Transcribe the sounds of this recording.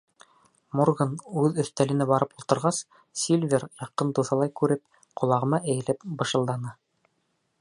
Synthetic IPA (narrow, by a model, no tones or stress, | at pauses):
morɡɤnʉðɵ̆θt̪ælɘ̆næbɑɾɤpulˠt̪ɤ̆ɾʁɑs | sʲilʲvʲeɾjɑqːɤnd̪uθɑlˠɑjkʉɾɘp̚ | qʰŏlˠɑʁɤ̆mɑʔɘ̆jɘ̆læpbɤ̆ʃɤ̆lˠd̪ɑnɑ